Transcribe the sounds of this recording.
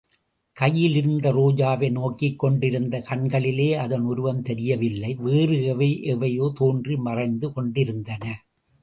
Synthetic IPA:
kɐjːɪlɪɾɯnd̪ɐɾoːd͡ʒaːʋɐɪnoːkːɪkːɔɳɖɪɾɯnd̪ɐkɐɳɡɐɭɪleːɐðɐnɔɾɯʋɐnt̪ɛɾɪjɐʋɪlːɐɪʋeːrɯɣɐʋeːʔɛʋɐjoːt̪oːndrimɐrɐɪnd̪ɯkɔɳɖɪɾɯnd̪ɐnɐ

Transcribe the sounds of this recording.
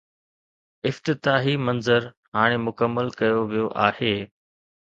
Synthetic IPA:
ɪft̪ɪt̪aːɦimɐnzəɾ | ɦaːɽ̃emʊkəmːəlkɐjoʋijoʔaːheː

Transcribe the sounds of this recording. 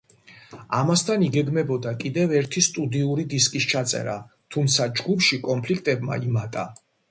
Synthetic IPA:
amast̪ʰaniɡɛɡmɛbɔd̪akʼid̪ɛvɛɾt̪ʰist̪ʼud̪iuɾid̪iskʼist͡ʃʰat̪sʼɛ̰ɾa | t̪ʰumt̪sʰad͡ʒɡupʰʃikʼɔmpʰlikʰt̪ʼɛbma̰imat̪ʼa

